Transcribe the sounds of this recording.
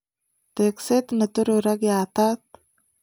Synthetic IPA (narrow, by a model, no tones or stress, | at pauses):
t̪ekset̪nət̪uɾuɾaɡjat̪at̪